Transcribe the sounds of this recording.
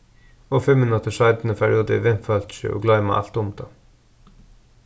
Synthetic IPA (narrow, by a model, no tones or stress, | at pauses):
oːfʏmɪnɑt̪əʃɑɪd̪n̩əpʰæɹɪuːd̪əʋɪnfælt̪ʃʉ̰ʔo̰ːɡlɑɪmɑ̰ːʔæ̰lt̪ʊmt̪ʰɑ